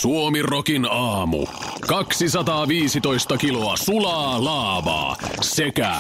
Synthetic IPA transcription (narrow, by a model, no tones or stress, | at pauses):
suomirokinɑːmṵ | kɑksisɑt̪ɑːʋiːsit̪o̞jst̪ɑkiloɑsulɑːlɑːʋɑ̰ːsekæ̰